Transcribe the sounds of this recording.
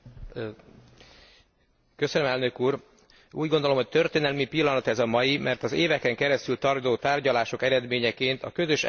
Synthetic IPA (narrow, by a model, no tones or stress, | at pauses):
kø̞sønømɛlnø̞kuːr | uːɟɡond̪olo̞mhoc̚t̪ø̞rt̪eːnɛlmipilːɒnɒt̪ɛzɒmɒjimʔɛrt̪ɒzeːvɛkɛŋkɛɾɛst̪ylt̪ɒrd̪oːt̪aːrɟɒlaːʃo̞kɛɾɛd̪meːɲɛkeːnt̪ɒ̰kø̞zø̞ʃ